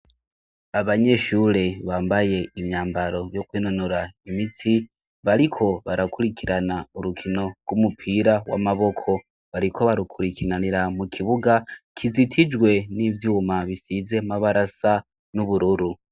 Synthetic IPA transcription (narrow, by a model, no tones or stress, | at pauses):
aβaɲe̞ʃuɾe̞βaːmbaje̞imjaːmbaɾo̞vjokwiːnonoɾaimitʰi | βaɾikʰo̞βaɾakuɾikʰiɾanauɾukʰino̞ɡwumupʰiɾawa̰maβo̞kʰo̞ | βaɾikʰo̞βaɾukʰuɾikʰinaniɾamukʰiβuɡakʰizitʰid͡ʒwe̞nivjuːmaβisize̞maβaɾasa | nuβuɾuɾu